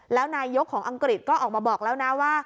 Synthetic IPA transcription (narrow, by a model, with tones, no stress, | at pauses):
lɛː˨˦˥wnaː˧jzo˦˥kʰɔː˨˩˦ŋʔə˧ŋkɾi˨˩t̚kɔ˨˦˥ʔɔː˨˩k̚maː˨˧˩ɓɔː˨˩k̚lɛː˨˦˥wnaː˨˦˥waː˧˩